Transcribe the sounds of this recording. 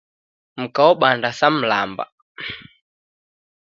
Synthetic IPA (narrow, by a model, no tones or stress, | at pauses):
m̩kaɔɓandasam̩la̰mba̰